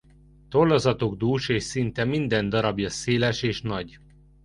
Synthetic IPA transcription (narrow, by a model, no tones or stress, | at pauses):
t̪olːozɒt̪oɡd̪uːʃeːʃsint̪ɛmind̪ɛnd̪ɒɾɒbjɒseːlɛʃeːʃnɒɟ